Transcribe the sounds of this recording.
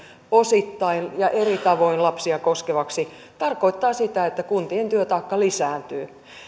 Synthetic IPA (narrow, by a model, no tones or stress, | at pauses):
osit̪ːɑinjɑʔerit̪ɑʋoinlɑpsiɑkoskeʋɑksi | t̪ɑrkoit̪ːɑːsit̪æet̪ːækunt̪ient̪yøt̪ɑikːɑlisæːnt̪yː